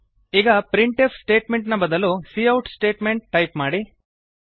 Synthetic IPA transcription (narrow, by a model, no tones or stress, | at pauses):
iːɡɐpɾiɳʈepʰsʈe̞ːʈmeɳʈnɐbɐd̪ɐlusiːɐwʈsʈeːʈmeɳʈ̚ːɐjpmaːɽi